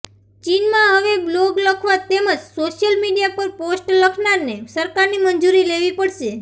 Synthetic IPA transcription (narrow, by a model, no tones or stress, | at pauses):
t͡ʃinmãɦəʋebloɡləkʰʋat̪eməd͡ʒsoʃjəlmiɖijapəɾposʈləkʰnaɾnesəɾkaɾnimənd͡ʒuɾileʋipəɽʃe